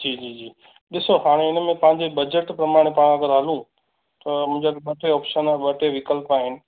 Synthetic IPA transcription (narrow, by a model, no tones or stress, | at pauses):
d͡ʑiːd͡ʑiːd͡ʑiː | ɗɪsoɦaːɽ̃eɪnmẽpɐ̃ɦɪ̃ɲd͡ʑebɐd͡ʑəʈpɾɐmaːɽ̃epaːɽ̃ɐɡəɾɦɐlũ | t̪ɐmʊ̃ɪ̃d͡ʑaɓɐʈʰeɔːpʃənaʋɐʈʰeʋɪkəlpaːɦɪnɪ̆